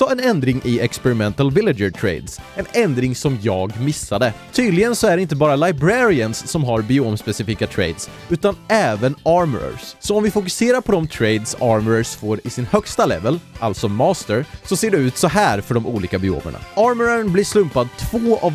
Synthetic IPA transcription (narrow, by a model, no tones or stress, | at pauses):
sɔɛnɛnd̪ɾɪŋʔɪɛkspɛɾɪmɛnt̪əlvɪlɪəʈʰɾḛɪd̪sɛnɛnd̪ɾɪŋsɔmjɑːɡmɪsːad̪ət̪ʰyːd̪lɪɡənsɔæɖɛɪnt̪əbɑːɾalajbɾɛɾɪənsːɔmɦaɾbɪoːmspɛsɪfiːkat̪ʰɾḛɪd̪s | ʉ̟ːt̪anɛːvənɑɾm̰ɾə̰ssɔːmvɪfʊkɵseːɾaɾpʰɔd̪ɔmt̪ʰɾejd̪sɑːɾmɾəsfoːɾɪsɪnhœkst̪alɛ̰vəlʔalt̪sɔmɑːst̪əɾsɔseːɖɛʉ̟ːt̪sɔɦæːɾfœɖɔmʔṵːliːkabɪːo̰ːmə̰ɳa̰ɑːɾməɾanblɪʂlɵmpad̪t̪ʰv̥oːav